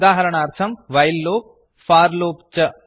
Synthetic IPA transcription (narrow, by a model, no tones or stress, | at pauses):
d̪aːɦɐɾɐɳaːɾt̪ʰɐmʋɐjlːoːp̚ | faːɾloːpt͡ʃɐ